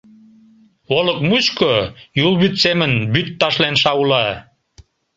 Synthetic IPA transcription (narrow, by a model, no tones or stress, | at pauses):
oləkmut͡ɕkojulˠβyt̪semənbyt̪ːɑʃlenʃɑulɑ